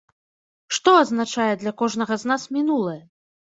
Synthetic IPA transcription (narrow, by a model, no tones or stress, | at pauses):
ʂt̪ɔɐznat͡ʂajɛd̪lʲakɔʐn̪ɐɣɐznasmʲinulˠɐjɛ